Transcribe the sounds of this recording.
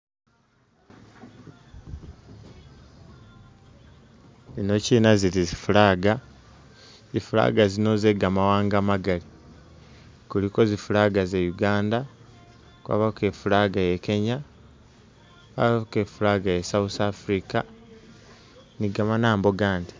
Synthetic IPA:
ino̞ciːnazilizifulaːɡa | zifula̰ːɡazino̞zeɡamawaːŋɡamaɡali | kuliko̞zifulaːɡaze̞juɡaːnda | kwa̰ːβake̞fulaːɡaje̞ke̞ɲa | kwa̰ːβake̞fulaːɡajesawusafɾika | niɡamanaːmbo̞ɡaːndi̥

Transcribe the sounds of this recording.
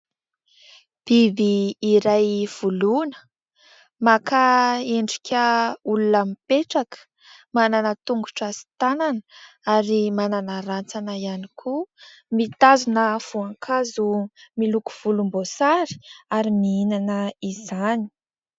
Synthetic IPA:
b̥ibiːɾajv̥ulunə̥ | makaeɳɖ͡ʐikʲəulunəmipeʈ͡ʂakə̥ | mananət̪uŋɡuʈ͡ʂasi̥t̪ananə | aɾimananaɾant͡sanaianikʰu | mit̪azunəv̥uaŋkʰazumiluku̥v̥ulumbosaɾi̥aɾimiinanəizani̥

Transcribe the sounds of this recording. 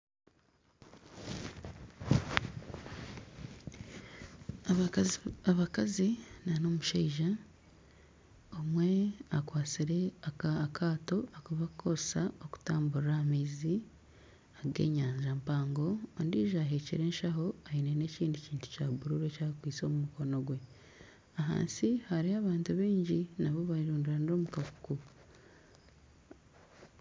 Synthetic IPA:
aβakazinano̞muʃeiʒa | omwe̞akwaːt͡siɾe̞akʰaːto̞akuβakʰo̞sa̰o̞ku̥taːmbuɾamiːzi | aɡe̞̰ːɲaːɲʒampaːŋɡo̞ːndiːʒaːɦecḭɾe̞ːnʃaɦo̞ainene̞ciːndiciːntu̥caːβuɾuɾe̞caːkwiːt͡so̞mumuko̞no̞ɡwe̞ | aɦa̰ːnsihaɾiaβaːntuβeːɲɟinaβoβaiɾuːndiɾaniɾo̞mukaku̥ku

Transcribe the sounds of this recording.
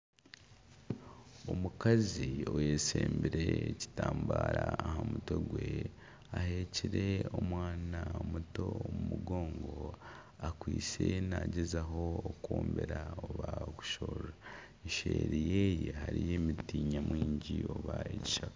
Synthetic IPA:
omukazio̞je̞ːseːmbiɾeːci̥taːmbaːɾaːhamuto̞ɡwe | ahe̞ciɾe̞o̞mwaːnamuto̞omumuɡo̞ːŋɡo̞ | akwiːt͡se̞naɟezaɦo̞ːkoːmbeɾaoβaoku̥ʃoːɾa | eʃeɾijejehaɾije̞mitiːɲamwiːɲɟio̞βaeci̥ʃakḁ

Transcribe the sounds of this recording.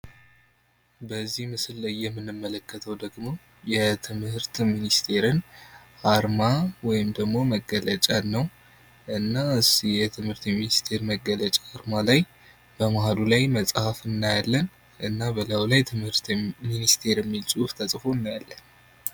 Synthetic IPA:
bəzːihmɨsɨlːajːɛmːɨnːɨmːələkʰːət̪ʰəwd̪əɡmo̞ | jɛt̪ʰɨmhɨɾt̪minist̪ʰe̞ɾɨnaɾmawɔjɪmd̪əɡmo̞məɡːələt͡ʃʼanːəw | ʔɨnːaɨsjɛt̪ʰɨmhɨɾt̪minist̪ʰe̞ɾməɡːələt͡ʃʼaaɾmalaj | b̥əmaɦalulajməsʼhafɨnːajalːən | ʔɨnːabəlawlajt̪ʰɨmhɨɾt̪minist̪ʰe̞ɾɛmːilt͡sʼuft̪ʰəsʼfoɨnːajalːən

